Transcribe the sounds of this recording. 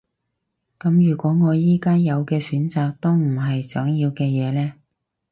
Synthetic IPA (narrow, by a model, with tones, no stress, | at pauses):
kɐ˨˥mjyː˨˩kʷɔː˨˥ŋɔː˨˧jiː˥kaː˥njɐ˨˧wkɛː˧syː˨˥nt͡saː˨k̚t̪o˥wm̩˨˩ɦɐ˨jsœː˨˥ŋjiː˧wkɛː˧jɛː˨˧lɛː˥